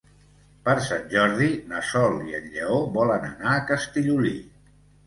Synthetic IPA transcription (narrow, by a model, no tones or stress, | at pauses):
pəɾsanʲʒɔɾðinəsɔliənʎəoβɔlənə̰naːkəst̪iʎuli